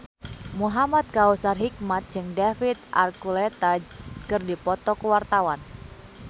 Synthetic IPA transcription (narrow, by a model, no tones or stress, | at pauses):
muɦamat̪̚kausarɦik̚mat̪̚d͡ʒɨŋdafit̪ʔa̰rkulɛt̪akɨrdipɔt̪ɔkəwart̪awan